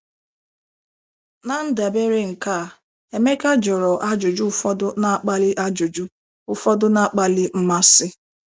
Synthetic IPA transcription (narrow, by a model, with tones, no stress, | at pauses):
na˦n̩˦da˨be˦ɾɪ˦ŋ̩˨ka˦˨ | e˨me˦ka˦d͡ʒɔ˨ɾɔ˨ʔa˦d͡ʒʊ˨d͡ʒu˦ʊ˦fɔ˦dʊ˦na˦k͡pa˦li˦ʔa˦d͡ʒʊ˨d͡ʒu˦ | ʊ˦fɔ˦dʊ˦na˦˨˦k͡pa˦lɪ˦m̩˦ma˦sɪ˦